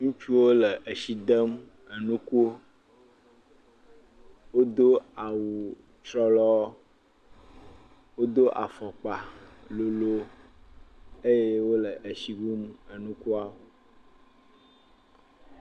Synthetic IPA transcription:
ŋũ˦fi˦wo˦lə˨ʔə˨si˨d̪ə˦m | ə˨nũ˦ku˦o˦ | wo˦d̪o˦a˨wu˨ | t͡ʃɾɔ˦lɔ˦ | wo˦d̪o˦ʔa̰˨fɔ˨k͡pa˨lo˨lo˦ | e˦je˦wo˦lə˨ʔə˨si˨ɡu˦mə˨nũ˦ku˦a˦o˨

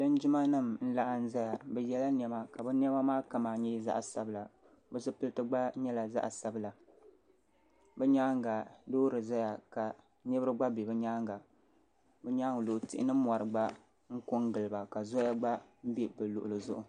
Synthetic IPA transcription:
dɨ˦n˦d͡ʒɪ˦ma˦nɨ˦˨mn̩˦la˦ʔa˦n̩˦za˦ja˨bɛ˨jɛ˦la˦n˨ɛ˨ma˨ka˨bɛ˦n˦ɛ˦ba˦maː˦ka˦maː˨ɲɛ˦za̰˦ʔsa˦bɨ˨la˨ | bɨ˦sɨ˦pɨ˦lɨ˦tɨ˦ɡ͡ba˦ɲɛ˦la˨za̰˦ʔsa˦bla˨ | bɨ˦ɲaː˦ŋ˨ɡa˨doː˦ɾɨ˨za˦ja˨ka˨ | nɛ˦bɨ˦ɾɨ˦ɡ͡ba˦bɛ˨bɨ˦ɲaː˦ŋɡa˨ | bɨ˦ɲaː˦ŋ˨lo˨tɪ̰˦ʔɪ̰˦nɨ˦ma˨ɾɨ˨ɡ͡ba˦ | ŋ̩˦kʊ˦ŋɡɨ˨lɨ˨ba˨ka˨zo˦ja˦ɡ͡ba˦m̩˦bɛ˦bɨ˨lʊ̰˨ʔʊ˨lɨ˨zʊ˦ʔʊ˨

